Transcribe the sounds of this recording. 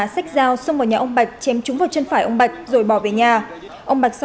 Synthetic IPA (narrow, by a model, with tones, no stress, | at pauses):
a˧˩sa˦˥k̚zaː˧wsə˧wŋ͡mmo˨˩ɲaː˨ʔə˧wŋ͡mɓa˨˩jk̟̚t͡ɕɛ˨˦mt͡ɕʊ˨˦ŋ͡mvaː˨˩wt͡ɕə˧nfaː˧˩jʔə˧wŋ͡mɓa˨˩jk̟̚zo˨˩jɓɔ˧˩ve˨˩ɲaː˨˩ | ʔə˧ŋ͡mɓa˨˩jk̚s